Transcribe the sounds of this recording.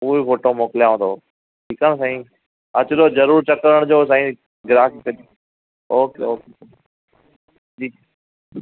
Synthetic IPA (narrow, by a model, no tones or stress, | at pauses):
uːifoːʈomoːkɪljaʋõnd̪o | ʈʰiːkaːñs̬ãːĩː | ɐt͡ɕʊloːd͡ʑɐɾuːɾt͡ɕɐkɾəɽ̃d͡ʑoːs̬ãːĩ | ɡɪɾaːkpe | oːkeoːke | d͡ʑiː